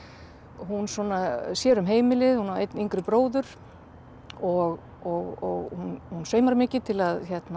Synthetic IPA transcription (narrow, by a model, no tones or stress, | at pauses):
hunsɔːnasjɛːɾʏmɦeːjmɪlɪðhunaḛjt̪niŋkɾʏpɾoːwðʏɾ̥ | ɔɣ | ɔɣɔɣhunhunsœɥjmaɾmɪːcɪt̪ʰɪlaðçjɛt̪na